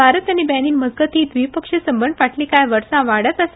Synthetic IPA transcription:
aɾətanibæniːnməd͡zɡət̪iːt̪ʋipəkʂesəmbənd̪paʈʰlikajʋəɾsãʋaɽət̪əse

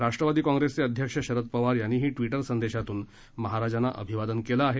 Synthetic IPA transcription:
ɾaʂʈɾəʋad̪iːkãŋɡɾest͡seəd̪ʱjəkʂəɕəɾət̪̚pəʋaɾjanːiːɦiːʈʋiʈəɾsənd̪eɕat̪uːn | məɦaɾad͡ʑanːaʔə̰bʱiʋad̪ənkelaːɦe

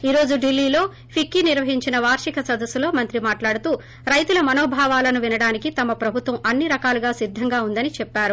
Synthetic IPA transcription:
iːɾo̞ːd͡ʒuɖilːiːlo̞ː | pʰikːiniɾʋɐɦiɲt͡ʃinɐʋaːɾʂikɐsɐd̪ɐsːulo̞ːmɐnt̪ɾimaːʈlaːɽut̪uː | ɾɐjt̪ulɐmɐnoːbʱaːʋaːlɐnuʋinɐɽaːnikit̪ɐmɐpɾɐbʱut̪ʋɐmʔɐnːiɾɐkaːluɡaːsid̪ʱːɐŋɡaːund̪ɐnit͡ʃɛpːaːɾu

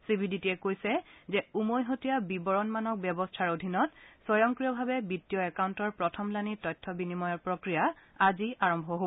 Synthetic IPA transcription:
sibʱiditiɛkojsɛzɛumojɦotijabibɔɹɔnmanɔk̚bjɛbɔstʰaɹodʱinɔtsɔjɔŋkɹijɔbʱabɛbitːijɔɛkawntɔɹpɹɔtʰɔmlanitɔjtʰːɔbinimɔjɔɹpɹokɹijaaziaɹɔmbʱɔɦo

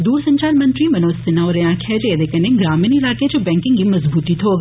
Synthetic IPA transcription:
d̪uːɾsɐ̃ɲt͡ʃaːlmɐ̃nt̪ɾimɐnoːsɪnaɔɾejãːkʰɛːd͡ʒed̪ekɐnẽɡɾaːmɪnɪlaːked͡ʒoːbɛ̃ːŋkɪ̃ŋɡimɐzbuːt̪it̪ʰɦoːɡ

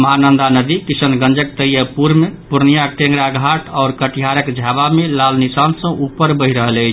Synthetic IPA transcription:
məɦanənd̪anəd̪ikisənɡə̃nd͡ʒəkt̪əjəpuɾmepuɾnijaʈẽŋɡɾaɡʱaʈʰɔːɾkəʈiɦaɾəkd͡ʒʱjabamelalnisansə̃ʔupəɾbəɦiɾəɦələjt͡ʃʰ

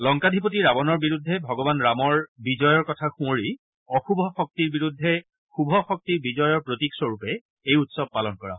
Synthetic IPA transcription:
lɔŋkadʱipotiɹabɔnɔɹbiɹudʱːɛbʱɔɡɔbanɹamɔɹbizɔjɔɹkɔtʰaxũoɹi | ɔxubʱɔxɔk̚tiɹbiɹudʱːɛ | xubʱɔxɔk̚tiɹbizɔjɔɹpɹotiksɔɹupɛ | ejutsɔb̚palɔnkɔɹa

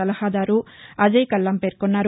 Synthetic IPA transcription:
ɐlɐhaːd̪aːɾuɐd͡ʒɐjkɐlːɐmpe̞ːɾkonːaːɾ

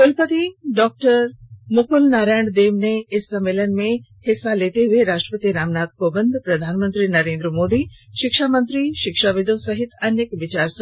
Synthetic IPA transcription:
kʊlpət̪iɖɔːk̚ʈəɾmʊkʰʊlnaːɾaːɳɖd̪eːʋneɪsːɐmeːlənmẽhɪsːaleːt̪eɦʊeɾaːʃʈɾəpət̪iːɾaːmnaːt̪koːbə̃nd̪ʱpɾɐd̪ʱaːnmə̃nt̪ɾinɐɾẽːnd̪ɾəmoːd̪iʃɪkʃaːmə̃nt̪ɾiʃɪkʃaːʋɪd̪ʱõsɐɦɪt̪ɐnjəkʋɪt͡ɕaːɾs

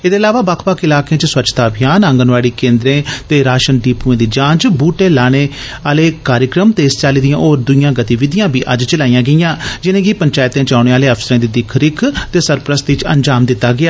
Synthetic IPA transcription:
eːd̪eːlaːʋaːbaːkʰbaːkɪlaːkjẽːt͡ʃswət͡ʃt̪aːbʱɪjaːnə̃ŋɡənʋaːɽiːkẽːnd̪ɾẽːt̪eːɾaːʃənɖiːpuːẽːd̪iːd͡ʒãːd͡ʒbuːʈeːlaːɽ̃eː | aːleːkaːɾjəkɾəmt̪eːst͡ʃaːliːd̪ijãːʔoːɾd̪ʊijãːɡət̪iːʋɪd̪ɪjãːbiːʔə̰d͡ʒt͡ʃəlaːijãːɡəijãːd͡ʒɪnẽːɡiːpəɲt͡ʃaːjɪt̪ẽːt͡ʃaːʊɽ̃eːaːleːəpʰsəɾẽːd̪iːd̪ɪkʰɾɪkʰt̪eːsəɾpɾəst̪ɪt͡ʃə̰̃ɲd͡ʒaːmd̪ɪt̪ːaːɡɪaː

